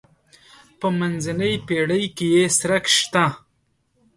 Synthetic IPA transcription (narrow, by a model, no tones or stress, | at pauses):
pəmanzanəjpeɽəjkejesɾakʃt̪ã